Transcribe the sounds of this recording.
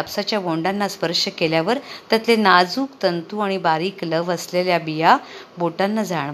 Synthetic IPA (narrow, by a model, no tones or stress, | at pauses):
apsat͡ɕjaɡoɳɖanːaspəɾʂəkeljaʋəɾt̪at̪lenad͡zuːkt̪ənt̪uaɽ̃ibaɾiːkləʋəsleljabija | boʈanːad͡zaɳ